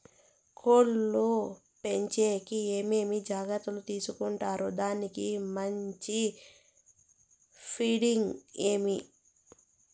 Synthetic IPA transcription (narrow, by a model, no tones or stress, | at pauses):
kʰoːlːu | pe̞ɲt͡ʃe̞ːkieːme̞ːmid͡ʒaːɡɐt̪ːulut̪iːsukuɳʈaːɾud̪aːnikimɐɲt͡ʃi | pʰiːɽiŋɡe̞ːmi